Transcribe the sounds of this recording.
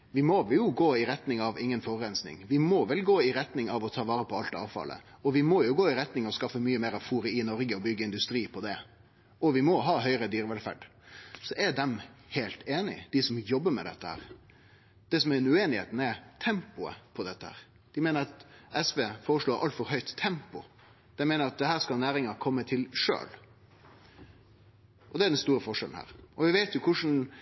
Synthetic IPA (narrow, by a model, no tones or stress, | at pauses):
ʋɪmɔʋjʊɡoːɪɾɛt̪nɪŋɑʋɪŋːənfɔʁɾɛnsnɪ̰ŋʋɪmɔʋɛlɡoːɪɾɛt̪nɪŋɑʋɔt̪ʰɑːʋɑːɾəpʰɔɑlt̪ɑ̰ːʋfɑ̰lʔə̰ɔʋɪmɔjʊɡoːɪɾɛt̪nɪŋɔskɑfəmyːəmeːɾɑʋfuːɾəɪnɔɾɡəɔbʏɡəɪnd̪ʉst̪ɾiːpʰɔd̪ɛ | ʔɔʋɪmɔɦɑːɦœʏɾəd̪yːɾəʋɛlfæ̰ɖ | sɔʔɛɾd̪ɛmheːlt̪eːnɪ̰d̪ɪsɔmjɔbːəmɛ̰d̪ɛ̰t̪ːəhæ̰ːɾ | d̪̥ɛsɔmæɾɛnʉeːnɪhḛːt̪n̩ɛɾt̪ʰɛmpʊə̰pʰɔd̪ɛt̪ːəhæ̰ːɾ | d̪̥ɪmeːnəɾɑt̪ɛsʋeːfoːɾəʂɭoːɾʔɑ̰lt̪fɔɾɦœʏt̪ʰːɛmpʊ | d̪̥ɛmeːnəɾɑt̪̚d̪ɛɦæːɾskɑnæːɾɪŋɑkʰɔmːət̪ʰɪlʂø̰ːl | ʔɔd̪ɛæd̪ɛnst̪uːɾəfɔʂɛln̩hæ̰ːɾɔʋɪʋeɪt̪jʊkʰʊʂn̩